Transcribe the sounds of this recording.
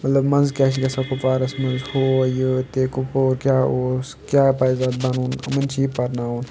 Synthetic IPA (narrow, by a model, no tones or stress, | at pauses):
mɐt̪lɐbmɐnzkʲaːt͡ʃʰikɐsɐkupaːɾɐsmɐnzhoːjot̪eːkʊpoːɾkjaːoːs | kjaːpaːzad̪̚bɐnuːnɐ̰mɐnt͡ʃʰiːpɐɾnaːuːn